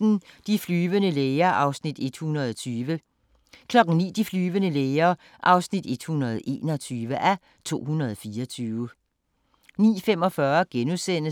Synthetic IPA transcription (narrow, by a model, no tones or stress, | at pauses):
n̩d̥iflyːʋənəleːɪɐʔɑ̈ʊsnid̥e̝d̥hunɐð̞ˠɒt͡sʰyːʋə | kʰlɒ̽ɡ̥ŋ̩nḭːd̥iflyːʋənəleɪɐ | ʔɑ̈ʊsnid̥e̝d̥hunɐð̞ˠʔe̝̰ːnɒt͡sʰyːʋəʔæ | t͡sʰo̝̰ːɦunɐð̞ˠɒfiːɐɒt͡sʰyːʋə | nḭːfem̰ɒ̽fɶɐɡ̥enusen̰ə